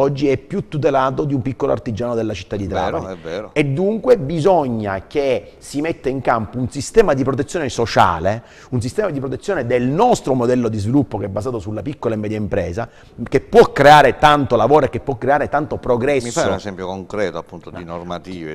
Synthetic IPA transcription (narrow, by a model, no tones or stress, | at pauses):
ɔd͡ʒːiɛpːjut̪ːut̪̬elaːt̪od̪iumpikːoloa̰rt̪id͡ʒaːnod̪elːat͡ʃit̪ːad̪it̪ɾa̰vaɛvɛːɾoed̪ːuŋkwebizɔɲːak̟e | simet̪ːeiŋkampounsist̪ɛːmad̪ipɾot̪̬et̪sːjoːnesot͡ʃa̰ːle | uns̬ist̪ɛːmad̪ip̬ɾot̪̬et̪sːjoːned̪elnɔst̪ɾomod̪ɛlːod̪izvilupːokeɛbːazaːt̪osulːapikːolaemːɛːd̪jaimpɾɛːza | k̟epːwɔkːɾeaːɾet̪ant̪olavoːɾoekːepːwɔkːɾeaːɾet̪ant̪opɾoɡɾɛsiːanezɛmpjokoŋkɾɛːt̪oapːunt̪od̪inormat̪iːvḛ